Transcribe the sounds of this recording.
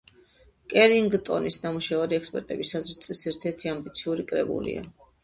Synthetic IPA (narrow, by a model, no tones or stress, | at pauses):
kʼɛɾiŋɡt̪ʼɔ̰nisnamuʃaaɾiɛkspʼɛɾt̪ʼɛbisazɾt̪sʼisɛɾt̪ʰɛɾt̪ʰiambit̪sʰiuɾikʼɾɛbṵlḭa̰